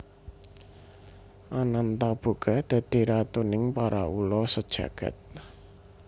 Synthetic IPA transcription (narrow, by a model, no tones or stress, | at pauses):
ʔanant̪ab̥ṳɡ̥a̤d̪̥ä̤d̪̥i̤ɾat̪unɪŋpaɾaulɔsəd̥ʒ̥a̤ɡ̥a̤̰t̪̚